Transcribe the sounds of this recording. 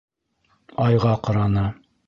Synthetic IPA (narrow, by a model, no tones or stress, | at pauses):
ɑjʁɑqɑ̆ɾɑnɤ